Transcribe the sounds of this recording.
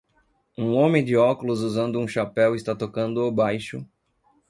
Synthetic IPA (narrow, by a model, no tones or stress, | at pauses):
ũõmẽd͡ʒɪɔkulʊzuzɐ̃nd̪ʊũʃapɛwɪst̪at̪okɐ̃nd̪ʊawbajʃʊ